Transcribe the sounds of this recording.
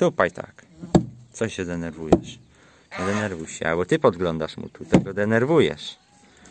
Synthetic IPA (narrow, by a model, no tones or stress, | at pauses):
t̪upajt̪ʰa̰k | t̪sɔɕːɛd̪ɛnɛɾvujɛʂ | ɲɛd̪ɛnɛɾvujɕɛ̰albɔt̪ɘpɔd̪ɡlɔnd̪aʂmṵt̪ut̪ɛɡɔd̪ɛnɛɾvujɛ̰ʂ